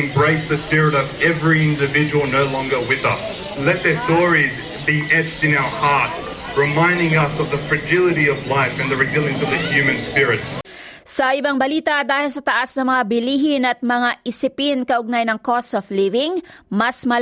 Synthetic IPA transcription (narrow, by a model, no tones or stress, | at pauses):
ɨ̃mbɹeɪsðɨspɪɹɨɾʌvɛvɹiɪ̃ndɨvɪd͡ʒɨwəl̩ˠnoʊlɔ̃ŋɡə˞wɪðʌs | lɛt̪̚ðə˞stɔɹiz | biʔɛt͡ʃtɨ̃naʊə˞hɑɹt̚ | ɹɨmãɪ̃ndɪ̃ŋʌsʌvðəfɹɨd͡ʒɪlˠɨɾiʌvlaɪfɨ̃nðɨɹɨɡilˠɪ̃ŋzʌðɨhjʉmɨ̃nspɪɹɪt̚ | sɐʔɪbaŋbɐliːt̪ɐd̪aːhɪlsɐt̪ɐʔasnɐmɐŋabɪliːɦɪnɐt̪̚mɐŋaʔɪsɪpɪnkɐʔʊɡ̚najnɐŋkɔsɔflivɪŋmɐsmɐ